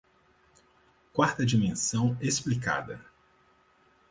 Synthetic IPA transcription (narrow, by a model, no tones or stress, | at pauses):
kwaɾt̪ɐd͡ʒimẽsɐ̃w̃esplika̰d̪ɐ̰